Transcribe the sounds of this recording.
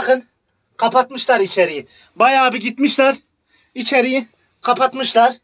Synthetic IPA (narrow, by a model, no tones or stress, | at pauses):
χɯn | qʰapʰat̪mɯʃlˠaɾit͡ʃʰeɾiji | bajaːbɯɟit̪miʃlʲæɾ | it͡ʃʰeɾiji | qʰapʰat̪mɯʃlˠaɾ